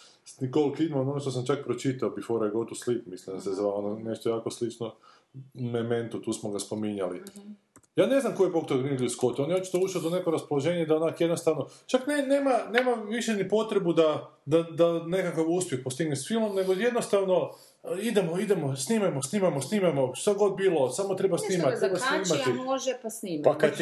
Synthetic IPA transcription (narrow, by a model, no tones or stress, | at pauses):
sikolikeid̪maononoʃt̪os̬amt͡ʃak̚pɾot͡ʃit̪aobifoɾajeɡo̞t̪uslikmislimd̪asezʋaonone̞ʃt̪ojaːko̞slit͡ʃno | meme̞nt̪ut̪uːsmoɡaspo̞miɲali | jaːne̞znamkojepokt̪oɡɾiniɡlʲuskot̪o̞njeot͡ʃi̥t̪ouʃiod̪one̞koɾaspoloʒe̞ːɲeid̪aonakjed̪nost̪aʋnot͡ʃaknene̞ːmaneːmaʋiʃenipo̞t̪ɾe̞bud̪ad̪ad̪ane̞kakaʋuspjexpo̞st̪iɡnesfilˠmo̞mne̞ɡoje̞d̪nost̪aʋno̞ | id̪emoid̪e̞mo̞sniːmajmosniːmamosniːmamo̞ʃt̪aɡo̞d̪̚biːlˠo̞samot̪ɾe̞basniːmat̪t̪ːebasniːmat̪iloʒɛpasniːmaaka